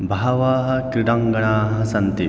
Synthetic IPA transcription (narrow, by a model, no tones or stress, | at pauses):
bʱaɐʋaːɦɐ̆kɾiɖɐŋɡɐɳaːɦɐsɐnt̪i